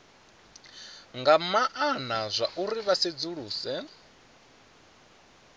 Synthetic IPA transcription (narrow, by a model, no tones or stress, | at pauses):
ŋɡamaʔanazʷaʔuɾiβased͡zuɺuːsɛ